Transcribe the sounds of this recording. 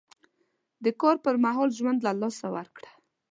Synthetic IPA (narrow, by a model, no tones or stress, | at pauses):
d̪əkɑɾpəɾmaɦɔlʒwand̪lalɑsawa̰ɾkɽa